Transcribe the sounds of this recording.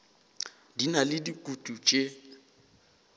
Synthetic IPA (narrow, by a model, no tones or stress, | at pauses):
dinalɪdikʼutʼut͡ʃʼe